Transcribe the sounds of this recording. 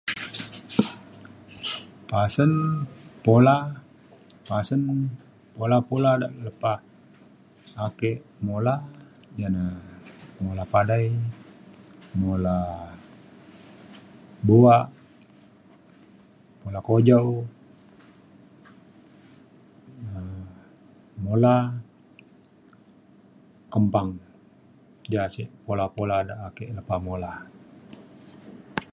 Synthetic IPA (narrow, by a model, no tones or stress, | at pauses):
pasənpola | pasən | polapoladaʔləpa | kɛʔmola | d͡ʒana | molapadaj | mola | boaʔ | molakod͡ʒaw | ə | mola | kəmpaŋ | d͡ʒasiʔpolapoladaʔːkɛʔləpamola